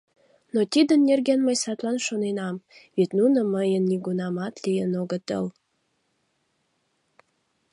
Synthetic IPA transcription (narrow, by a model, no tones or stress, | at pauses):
not̪id̪ənːerɡenməjsɑt̪lɑnʃonenɑmβet̪nunə̆məjənːiɡunɑmɑt̪lijənoɡə̆t̪ə̰l